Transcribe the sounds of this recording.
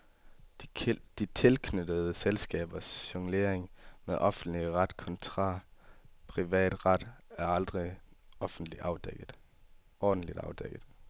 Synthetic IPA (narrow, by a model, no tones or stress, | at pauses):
d̥it͡sʰe̝lkʰnødəð̞̩ˠəselsɡ̥ɛ̰ːb̥ɐsɕɒŋle̝ɐ̰eŋmeʔɒ̽fn̩d̥liʁɑd̥kʰɒ̽nt͡sʰʁɑ̰̈ːpʰʁiʋɛ̰ːd̥ʁɑd̥æɐɑ̈ld̥ʁiɒfn̩d̥liʔɑ̈ʊd̥eɡ̥ˠ | ɒːd̥̩lid̥ɑ̈ʊd̥eɡ̥əð̩ˠ